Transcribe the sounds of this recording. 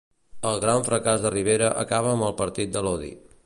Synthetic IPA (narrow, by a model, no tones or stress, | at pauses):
əlˠɣɾaɱfɾəkazðəriβ̞eɾəʔə̰kaβ̞əːmbəlˠpəɾt̪it̪̚d̪əlɔðḭ